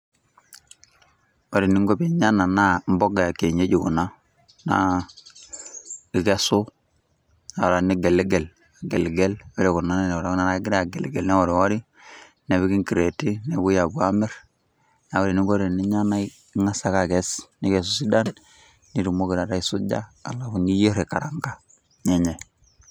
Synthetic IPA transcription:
o˨ɾi˨ni˦ŋɡo˦pi˦ɲa˦na˨na˦mbo˦ɡa˨ke˨ɲe˦d͡ʒi˨ku˨na˦ | na̰˦ | i˨ke˦su˦ | na˨ɾa˨ni˦ɡe˨lɡe˨l | a˨ɡe˨lɡe˦lo˦ɾe˨ku˨na˦ne˦n˨o˨ɾa˨u˦na˦na˦ɡi˦ɾa˦˨ɡe˨lɡe˨lnɛ˦wo˨ɾi˨wo˦ɾi˦ | ne˨βi˦ɡi˦ŋki˨ɾe˨ti˦ne˨bu˦ja˨ɡu˦a˦mi˦ɾ | na˨wo˦ɾi˨ni˦ɡo˦ɾi˨ni˦ɲa˦na˦ | ŋa˦sa˦ka˨ɡe˦sni˦ke˨s̬u˨si˦da˦nː | i˦ɾu˨mo˦ɡi˨ɾa˨ɾa˦i˨su˦ɟa̰˦a̰˨la˨fu˨ni˦je˦ɾe˨ka˨ɾa˨ŋka˦ | ɲe˦ɲe˨

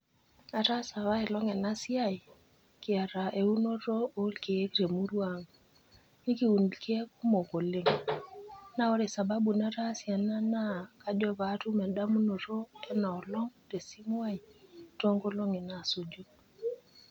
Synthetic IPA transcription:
a˨ɾa˦sa˨wa˦i˨lɔ˦ŋɛ˨na˦si˦a˦j | kɪ˨a˨ɾa˨ʔe˨u˦no˦ɾo˦o˦lke˨e˦kɾe˨mu˦ɾwa˦ŋ | ni˦ki˦u˨ndki˦e˦ku˦mo˨ko˨le˦ŋ | na˦o˦ɾe˨sa˨ba˦bu˨na˦ɾa˦sja˨na˦na˦˨ka˦dɔ˦βa˨˦tu˦mɛ˨ɗa˦mu˦no˨ɾo˦ɛ˦na˨ɔ˨lɔ˦ŋte˨si˦mwa˦i˨to˦ŋɡo˦lo˦ŋe˨na˨so˨d͡ʒo˦

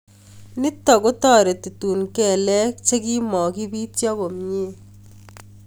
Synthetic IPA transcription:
nɪ˦tːɔ˨kʊ˦tɔ˦˨ɾe˨ti˨tuː˨nkɛ˨lɛ˦k̚t͡ʃe˦ki˦mɔ˨ki˦bi˦tjɔ˦ko˨mɲe˦

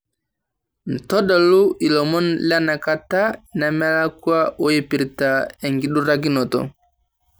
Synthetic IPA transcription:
n̩˨tɔ˦da˨lu˦ʔi˨lɔ˨mɔ˦nla˦na˨ka˦˨ta˦na˨mɛ˦la˦kwa˦ʔo˦je˦pi˨ɾta˨ɛ˨ŋɡi˨ɗu˦ɾa˦ɡi˦nɔ˨tɔ̰˨

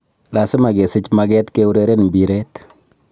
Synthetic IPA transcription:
la˨sɪ˦ma˨ɡe˨sɪ˦t͡ʃmaɡɛ˦t̪ke˦u˦ɾeɾe˦nbi˨ɾe˦t̪

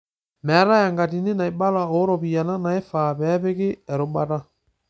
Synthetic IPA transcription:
mɛ˨a˦ɾa˦ja˨ŋɡa˨ti˨ne˦na˨e˨ba˦la˨o˨˦ɾɔ˨pi˨a˨na˦na˨e˦fa˨pɛ˨˦pe˦kɪ˦ɛ˨ɾo˨ba˦ta˦

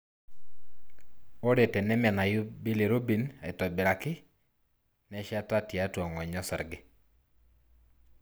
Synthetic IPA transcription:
o˦ɾe˨tɛ˨nɛ˦mɛ˨na˨jʊ˦bi˦le˨ɾo˦bi˨na̰˨ɪ˨tɔ˨bɪ˨ɾa˨kɪ˦ | nɛ˦ʃa˦ta˦tja˦twɔ˨ŋɔ˨ɲɔ˦sɛ˨ɾɡɪ˦

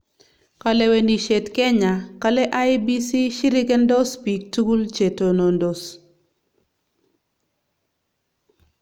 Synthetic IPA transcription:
ka˨le˨we˨ndi˨ʃe˨tkɛ˦ɲa˨ka˦lɛ˦ʔa˦jbi˦si˦ʃi˦ɾi˦ɡɛ˦ndɔ˦spi˨k̚tu˦ɡu˦lt͡ʃe˨to˨no˨ndo˨s

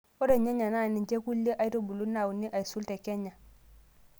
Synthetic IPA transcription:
o˦de˨ɲe˦ɲa˨na˦˨ni˨nt͡ʃe˦ku˦lːe˦ʔa˨˦i˦to˦bu˨lu˦na˦˨wu˨ni˦ʔa˨i˨su˦lte˨ke˦ɲːa˨

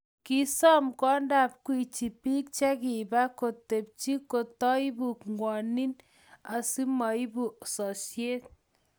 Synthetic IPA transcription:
ki˦sɔ˦mkɔ˦nda˨p̚kwi˨t͡ʃi˨pi˦k̚t͡ʃa˦ki˨ba˦ko˨te˨p̚t͡ʃi˦ko˨tɔ˦jbu˨kŋwɔ˨ni˦n | a˨si˦mɔ˨i˦bu˨a˨sɔ˨sje˦t̪̚

